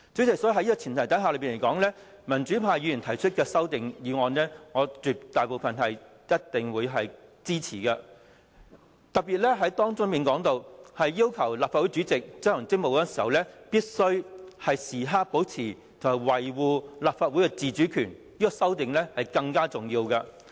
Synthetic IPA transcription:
t͡sy˨˥t͡sɪ˨˩ksɔ˨˥˧ɦɐ˨˥jiː˥kɔː˧t͡sʰiː˨˩nt̪ʰjt̪ɐ˨˥ɦaː˨lø˨˧ɥpiː˨˩ne˨˩jkɔː˨˥ŋlɛː˥ | mɐ˨˩nt͡ʃyː˨˥pʰaː˧jyː˨˧jy˨˩nt̪ʰɐ˨˩jt͡ʃʰɵ˥t̚kɛː˧sɐ˥wt̪ɪ˨ŋjiː˨˧ŋɔː˧nlɛː˥ŋɔː˨˧t͡syː˨˩p̚t̪aː˨jpo˨˧wfɐ˨nɦɐ˨j | jɐ˥t̚t̪ɪ˨ŋwuː˨˧jɦɐ˨jt͡siː˥t͡sʰiː˨˩kɐ˧ | t̪ɐ˨k̚piː˨t̚lɛ˥ɦɐ˨˥jt̪ɔː˥ŋt͡sʊ˥ŋpiː˨nkɔː˨˥ŋt̪o˧whɐ˨jːiː˥wkʰɐ˨˩wlaː˨pfaː˧wu˨˥jt͡ʃyː˨˥t͡sɪ˨k̚t͡sɐ˥ɐ˨˩ŋt͡sɪ˥ŋmo˨wkɔ˦˥˧siː˨˩hɐ˨˩wlɛː˥piː˥t̚sɵ˥ɥhɐ˨jsiː˨˩ɦaː˥k̚po˨˥wt͡sʰiː˨˩ | t̪ʰɐ˨whɐ˨˩jwɐ˨˩jwuː˨˧laː˨p̚faː˧t̚wu˨˥jkɛ˧t͡siː˨t͡ʃyː˨˥kʰyː˨˩n | iː˥kɔ˧sɐ˥wt̪ɪ˨ŋlɛ˥hɐ˨jkɐ˧ŋkaː˥t͡sʊ˨ŋjiː˧wkɐ˧

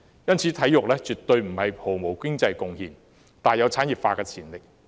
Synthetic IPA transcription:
jɐ˥nt͡sʰiː˨˥t̪ʰɐ˨˥jʊ˨k̚lɛː˥t͡ʃyː˨˩t̪ɵ˧ɥm̩˨˩hɐ˨jpʰo˨˩wmo˨˩wkɪ˥ŋt͡sɐ˧jkʊ˧ŋhiː˨n | t̪aː˨njɐ˨˧wt͡sʰaː˨˥njiː˨˩p̚faː˧kɛː˧t͡sʰiː˨˩nlɪ˨k̚

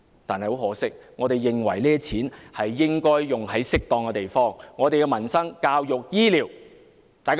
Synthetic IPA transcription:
t̪aː˨nhɐ˨jho˨˥wɦɔː˨˥sɪ˥k̚ŋɔː˨˧t̪e˨jːɪ˨ŋwɐ̰˨˩jliː˥t͡sʰiː˨˥nhɐ˨jːɪ˥ŋkɔː˥jːʊ˨ŋɦɐ˨˥jsɪ˥k̚t̪ɔː˨˧ŋkɛ˧t̪e˨jfɔː˥ŋːɔː˨˧t̪e˨jkɛ˧mɐ˨˩nsɐ˥ŋkaː˧wjʊ˨k̚jiː˥liː˨˩w | t̪aː˨jk

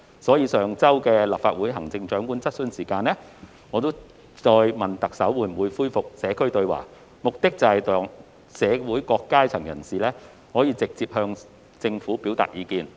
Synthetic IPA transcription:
sɔː˨˥jiː˨˧sœː˨ŋt͡sɐ˥wkɛː˧la˨p̚faː˧t̚wuː˨˥jɦɐ˨˩ŋt͡sɪ˧ŋt͡ʃœː˨˥ŋkuː˨˥nt͡sɐ˥t̚sɵ˧nsiː˨˩kaː˧nlɛː˥ | ŋɔː˨˧t̪o˥w | t͡sɔː˧jmɐ˨nt̪ɐ˨k̚sɐ˨˥wːu˨˧˥m̩˨˩wuː˨˧jfuː˥jfʊ˨k̚sɛː˨˧kʰɵ˥ɥt̪ɵ˧ɥwa̰ː˨˩ | mʊ˨k̚t̪ɪ˥k̚t͡sɐ˨hɐ˨jt̪ɔː˨ŋ | sɛː˨˧wuː˨˥jkɔː˧kːaː˥t͡sʰɐ˨˩ŋjɐ˨˩nsiː˨lɛː˥ | hɔː˨˥jiː˧t͡sɪ˨k̚t͡siː˧p̚hœː˧ŋ | t͡sɪ˧ŋfuː˨˥piː˨˥wt̪a̰ː˨˩t̚jiː˨˧kiː˧n

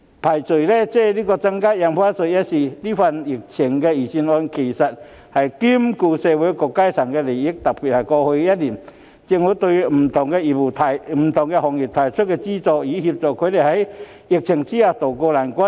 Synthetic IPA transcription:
pʰa˨˩jt͡so˨˩jlɛ˦t͡sɛ˥˧liː˦˥kɔ˧t͡sa˧˥ŋkaː˦˥ja˧mfa˦˥nso˧jja˦˥t̚si˨˩li˦˥fa˧ni˨˩k̚t͡ɕʰi˨˩ŋkɛ˧i˨˩ɕi˧nɔ˧nkʰe˨˩jsa˨˩t̚ | ha˨jki˦˥mku˧sɛ˧we˨˥jkɔ˧kːa˥jtʰa˨˩ŋkɛ˧le˨˩ji˦˥k̚t̪a˨˩k̚pi˨˩t̚ha˨˩jkɔ˧ho˧ja˦˥t̚li˨˩n | t͡ɕi˧ŋwu˨˥t̪o˧m̩˨˩t̪ʰʊ˨˩ŋkɛ˧i˨˩p̚u˨˩t̪ʰa˨˩jm̩˨˩t̪ʰʊ˨˩ŋkɛ˧hɔ˨˩ŋji˨˩p̚t̪ʰa˨˩jt͡ɕʰʊ˦˥t̚kɛ˧t͡ɕi˦t͡sɔ˧i˨˦hi˧p̚t͡sɔ˨kʰo˨˧˦le˨˩ha˨˦j | i˨˧k̚t͡ɕʰɪ˨˩ŋt͡ɕi˦a˧˩t̪o˨˩kɔ˧la˨˩nka˦˥

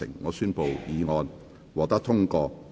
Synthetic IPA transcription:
ɪ̰˨˩ŋːɔː˨˧syː˥npo˨wjiː˨˧ŋɔː˧n | wɔː˨k̚t̪ɐ˥k̚t̪ʰʊ˥ŋkɔː˧

